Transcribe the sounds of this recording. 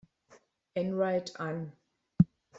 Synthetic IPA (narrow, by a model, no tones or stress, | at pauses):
ɛ̃nɹaɪtʰãn